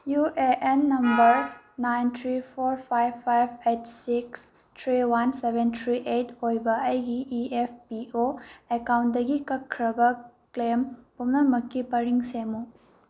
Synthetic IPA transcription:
juʔeʔenːɐmbɐɾ | najntʰɾipʰoɾpʰajbpʰːajbetsiks | tʰɾiwansebʱentʰɾiʔetʰojbɐɐjɡiːʔepʰpioekawnt̚dɐɡikɐkʰːɾɐbɐklempumnɐmɐkːipɐɾiŋsemu

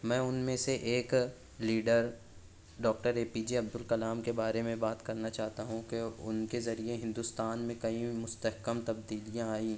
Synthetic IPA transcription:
mɛ̃ːʊnmẽseʔeːk | liːɖəɾ | ɖɔːk̚ʈəɾeːpid͡ʒiɐb̚d̪ʊlkɐlaːmkebaːɾemẽbaːt̪kɐɾnat͡ʃaːɦt̪aɦũkeʊnkezɐɾieɦɪ̃nd̪ʊst̪aːnmẽkɐĩmʊst̪əɦkəmt̪ɐbd̪iːlijãaːĩː

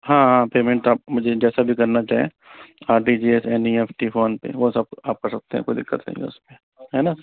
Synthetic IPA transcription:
hãːɦãpeːmẽɳʈaːp̚mʊd͡ʒʱed͡ʒɛːsabʱikɐɾnat͡ʃaːɦie | aːɾʈid͡ʒiesɛːnieːfʰʈifʰoːnpḛʋosɐb̚aːp̚kɐɾsɐk̚t̪ẽɦɛ̰̃kod̪ɪkːət̪lḛ̃ŋɡḛʊspe | ɦɛːna

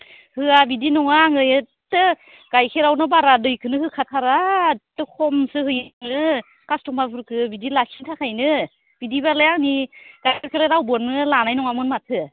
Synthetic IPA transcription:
hɯabidinɔŋaŋɯjɯtɯ | ɡ̥ajkʰeɾawnɯbaɾadɯjkʰɯnɯhɯkʰatʰaɾatɯkʰɔmsɯhɯjnɯ | kastʰɔŋbabʰɯɾkʰɯbidilasintʰakʰajnɯ | b̥idibalajaŋniɡ̥ajkʰaɾkʰeɾaɾawbɯɾnɯlanajnɔŋamɯnmatʰɯ

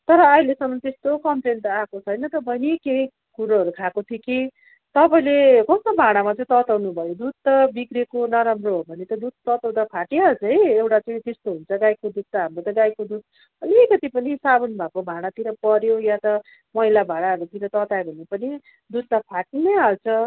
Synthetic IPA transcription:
t̪ʌɾʌːilesʌmːʌnt̪est̪okʌmprent̪ʌakot͡sʰʌjnʌt̪ʌbʱʌnekei | kuɾʌʌɾukʰakot̪ʰiki | t̪ʌpaĩlekʌst̪obʱaɽ̃amat͡sʌj̃t̪ʌt̪awnubʱʌjod̪ud̪̚t̪ʌbikrekonʌɾamroɦobʱʌnet̪ʌd̪ud̪̚t̪ʌt̪aw̃d̪apʰaʈeɦʌd͡zʌjewʈat͡sʌĩt̪est̪oɦunt͡sʰʌɡajkod̪ud̪̚t̪ːaɦamɾot̪ʌɡajkod̪ud̪̚ | ʌlikʌt̪ipʌnisabunbʱakobʱaɽ̃at̪inʌpʌɾjojat̪ʌ | mʌɦilabʱaɽ̃aʌɾut̪inʌt̪ʌt̪aebʱʌnepʌni | d̪ud̪̚t̪ʌpʰaʈineɦalt͡sʰʌ

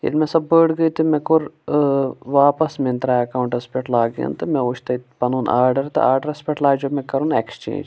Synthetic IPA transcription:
ḭlmẽsɐbːəːɽɡɐit̪imẽkʊɾ | ʋaːpɐsmẽnt̪ɾaːɐkaːwɳʈɐspʲeʈʰlaːɡjã̰nt̪ɨmẽoːt͡ʃʰt̪ɐpɐnuːnaːɾɖɐɾt̪ɨ̰aːɾɖɐɾɐspʲeʈlaːd͡ʒoːmẽkɐɾuːnḛkst͡ʃḛ̃ːnd͡ʒ

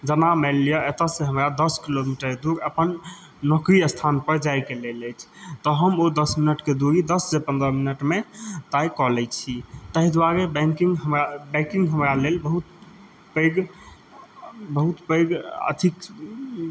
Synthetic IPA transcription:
d͡ʒənamɛlːijɔʔet̪əsẽɦəmɾad̪əskilomiʈəɾd̪uɾəpən | nɔkɾiəst̪ʰanpəɾd͡ʒajkeleləjt͡ʃʰt̪ɔɦəmod̪əsminəʈked̪uɾid̪əsd͡ʒepə̃nd̪ɾəminəʈmet̪ajkɔlɛt͡ʃʰit̪əɦid̪waɾebɛ̃ŋkiŋɡɦəmɾabɛ̃kiŋɡɦəmɾalelbəɦut̪̚ | pəjɡ | bəɦut̪pəjɡə̰t̪ʰik

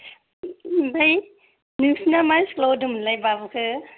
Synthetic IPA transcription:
baj | nusnamajsklodɯmlajbabɯkʰɯ

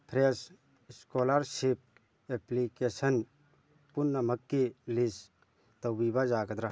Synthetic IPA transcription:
pʰɾes | skolaɾsip̚ | eplikesən | punːɐmɐkːilis | t̪ɐwwibad͡ʒaɡɐd̪ɾa

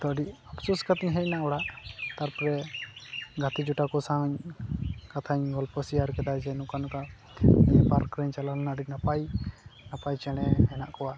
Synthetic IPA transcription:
t̪ɔɖiapsuskat̪iɲɦɛc̚naʔɔɽaʔt̪aɾpɔɾɛ | ɡʱat̪id͡ʒuʈakɔsaɲ | kat̪ʰaɲɡɔlpɔsiaɾkɛd̪ad͡ʒɛnukanka | paɾkɾɛɲt͡ʃalalɛnaɖinapajnapajt͡ʃɛɽ̃ɛɦɛnaʔkɔwa

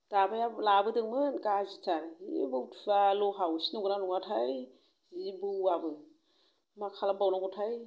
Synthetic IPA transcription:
d̥abajalabɯdɯŋmɯnɡazitaɾḭbɯwtʰbalɔɦawsi̥nuɡɯnanuŋatʰaj | zbɯwabɯ | makʰalabawnaɡɔtʰaj

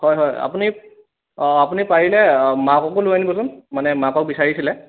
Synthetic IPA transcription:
hɔjɦɔja̰puni | apunipaɹilɛmakɔkoluanibɔsʊnmanɛmãkɔk̚bisaɹisilɛ

